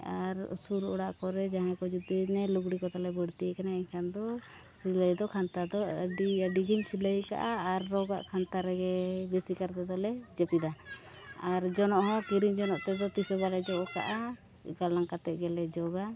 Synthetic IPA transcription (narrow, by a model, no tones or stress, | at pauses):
aɾ̰suɾṵɽaʔkɔɾɛd͡ʒaɦɛ̃kɔd͡ʒud̪inɛluɡɽikɔt̪alɛbəɽt̪ijɛkanaiɲkʰand̪ɔ | siləjd̪ɔkʰant̪ad̪ɔɖiəɖiɡiɲsiləjka̰ʔaːɾːɔɡa̰ʔkʰant̪aɾɛɡɛbesikaɾt̪ɛd̪ɔlɛd͡ʒɛpid̪a | aɾd͡ʒɔnɔʔhɔ̃kiɾiɲd͡ʒɔnɔʔt̪ɛd̪ɔt̪isɔbaɾɛd͡ʒɔʔɔka̰ʔa | ɡalaŋkat̪ɛʔ̪̚ɡɛlɛd͡ʒɔɡa